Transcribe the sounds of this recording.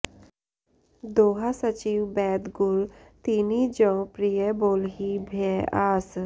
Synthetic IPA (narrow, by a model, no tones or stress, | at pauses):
d̪oːɦasət͡ʃiːʋbɛːd̪ɡʊlt̪inid͡ʒɔ̃pɾijəboːlɦibʱeaːs